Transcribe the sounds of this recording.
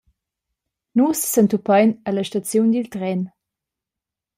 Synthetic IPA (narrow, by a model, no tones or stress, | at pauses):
nussənt̪upajnələʃtat͡sjund̪ilt̪ʁɛn